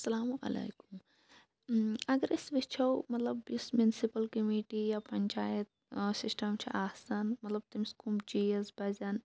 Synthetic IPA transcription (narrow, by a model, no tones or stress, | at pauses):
sɐlaːmuʔɐ̰lḛːkum | ɐɡɐɾʔisʋit͡ʃʰɐwmɐt̪lɐbɪsmjunsipɐlkɐmiːʈijapɐɲʲt͡ʃaːjɐt̪̚ | sɪsʈɐmt͡ʃʰiʔaːsɐnmɐt̪lɐb̚t̪imskumd͡ʒiːɐsbɐzɐn